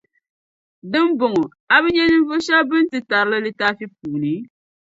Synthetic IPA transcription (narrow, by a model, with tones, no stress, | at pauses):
dɨ˦m˦bʊ˨ŋʊ˨ | a˦bɨ˦ɲɛ˦nɨ˦ɱ˦vo˦ʃa˦bɨ˦n˦tɨ˨ta˨ɾɨ˦lɨ˦lɨ˦ta˦fi˦p̚uː˨nɨ˨˦